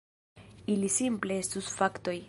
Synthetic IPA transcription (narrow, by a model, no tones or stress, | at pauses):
ilisimple̞est̪usfakt̪o̞j